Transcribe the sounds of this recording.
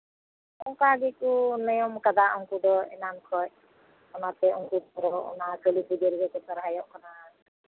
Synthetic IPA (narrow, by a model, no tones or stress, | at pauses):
ɔŋkaɡɛkunɔjɔmkad̪aʔɔŋkud̪ɔɛ̰nankʰɔc̚ | ɔnat̪ɛɔŋkuɔɾɔɔʔɔ̰nakɔlibidɔɾiɡɔkɔt̪ɔɾɦajɔʔkɔna